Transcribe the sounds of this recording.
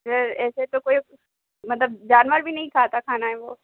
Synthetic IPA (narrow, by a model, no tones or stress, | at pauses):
zəɛːset̪okoːi | mɐt̪ləb̚d͡ʒaːnʋaːɾbʱinɐɦĩk̪ʰaːt̪akʰaːnaɦɛʋoː